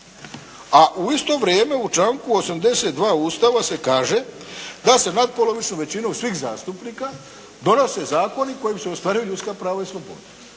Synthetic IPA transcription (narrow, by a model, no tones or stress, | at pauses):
aʔuist̪o̞ʋɾjeːme̞ut͡ʃaːŋkuo̞samd̪e̞se̞t̪d̪ʋaːuːst̪aʋase̞kaːʒe̞ | d̪ase̞nad̪̚po̞lˠo̞ʋit͡ʃnoʋe̞t͡ɕinosʋiːxza̰ːst̪upniːka | d̪o̞no̞se̞zaːko̞niko̞jimseo̞st̪ʋaːɾijuʎut̪skapɾaːʋaislˠo̞bo̞̰d̪a